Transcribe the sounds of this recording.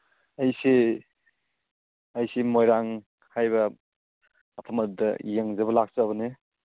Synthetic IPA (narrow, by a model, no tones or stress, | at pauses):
ɐjsi | ɐjsimojɾaŋ | hajβɐ | pʰamɐt̚dɐ̰jeŋzɐbɐlak̚sɐːβɐne